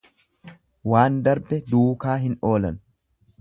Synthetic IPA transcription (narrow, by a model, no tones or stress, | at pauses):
waːnd̪ɐɾbɛd̪uːkaːɦɪno̞ːlɐ̰n